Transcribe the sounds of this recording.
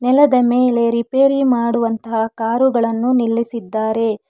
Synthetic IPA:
nɛlɐd̪ɐmeːle̞ɾipeːɾimaːɽuʋɐnt̪ɐɦakaːɾuɡɐɭɐnːunilːisid̪ːaːɾe̞

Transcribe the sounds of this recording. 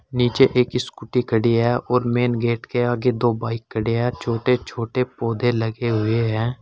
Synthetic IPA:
niːt͡ʃeʔeːkɪskʊʈikəɽiɦɛːɔːɾmeːnɡeːʈkeaːɡed̪oːbaːɪkːəɽeɦɛːt͡ʃʰoːʈet͡ʃʰoːʈepoːd̪ʱeləɡeɦʊeɦɛ̃ː

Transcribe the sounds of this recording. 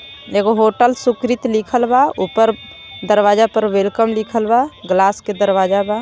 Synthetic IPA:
eɡoɦoːʈəlsʊkɾɪt̪likʰəlbaupəɾ | d̪əɾwaːd͡ʒapəɾwelkəmlikʰəlbaɡlaːsked̪əɾwaːd͡ʒabaː

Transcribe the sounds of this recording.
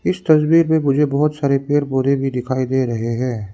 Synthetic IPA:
ɪst̪ɐsbiːɾmẽmʊd͡ʒʱebɐɦʊt̪saːɾepeːɾboɾebʱid̪ɪkʰaːid̪eːɾɐɦeɦɛ̃ː

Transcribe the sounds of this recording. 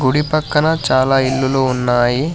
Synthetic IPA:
ɡuɽipɐkːɐnɐt͡ʃaːlaːilːuloːunːaːji

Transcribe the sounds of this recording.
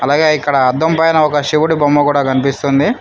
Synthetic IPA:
ɐlaːɡeːikːɐɽɐːd̪ːɐmpɐjnɐɔkɐʂiʋuɽibɐmːɐkuːɽaːkɐnipist̪und̪i

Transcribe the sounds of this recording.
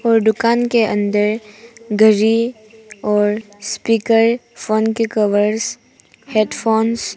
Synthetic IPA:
ɔːɾɖʊkaːnkeʔə̃nd̪əɾɡʱəɾi | ɔːɾ | spiːkəɾfʰoːnkekəʋəɾs | heːɖfʰoːns

